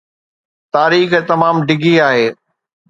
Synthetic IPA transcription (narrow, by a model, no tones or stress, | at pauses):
t̪aːɾiːxt̪ɐmaːmɖɪɡʱiaːɦeː